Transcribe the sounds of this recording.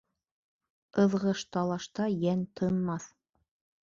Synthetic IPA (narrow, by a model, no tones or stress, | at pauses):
ɤ̆ðʁɤʃt̪ɑlˠɑʃt̪ɑjænt̪ʰɤ̆nmɑθ